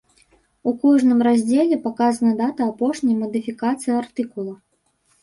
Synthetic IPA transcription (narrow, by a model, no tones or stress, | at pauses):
ukɔʐnɨmrazʲd͡zʲelʲɛpakazɐnɐd̪at̪ɐːpɔʂnʲɐjmɐd̪ɨfʲikat̪sɨjiart̪ɨkulˠɐ